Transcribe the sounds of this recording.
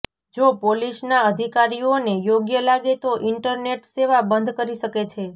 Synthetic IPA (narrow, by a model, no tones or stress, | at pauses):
d͡ʒopoliʃnaəd̪ʱikaɾionejoɡjəlaɡet̪oʔɪɳʈəɾneʈseʋabənd̪ʱkəɾiʃəket͡ʃʰe